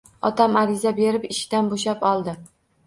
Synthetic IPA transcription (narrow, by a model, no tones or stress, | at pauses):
ɒt̪ʰamaɾɪzabe̞ɾɪpɪʃt̪anboʃ̬apɒlˠd̪ɪ